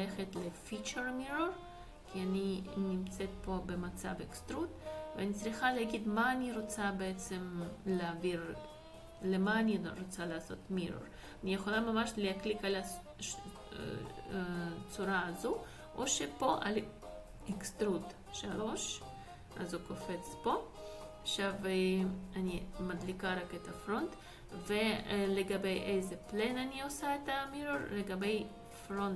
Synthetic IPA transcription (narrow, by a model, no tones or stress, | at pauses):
leχet̪lefit͡ʃeɾmiɾoɾ | kʲʰianinimt͡set̪̚po̞bemat͡sa̰vekst̪ɾut̪veanit͡sɾiχaleaɡid̪maːniɾo̞t͡sabeet͡semleaviɾ | lemaːniɾo̞t͡salaːso̞t̪miɾo̰ɾ | anijeχo̞lamamaʃleaklikala | t͡suɾaːzu | ʔoʃepo̞ʔa̰l | ikst̪ɾut̪ | ʃalo̞ʃ | a̰zukofet͡spo̞aʃaveanimad̪likaɾaket̪afɾont̪ | veleɡabejʔejzeplenaniosaet̪amiɾoɾleɡabe̞j | fɾont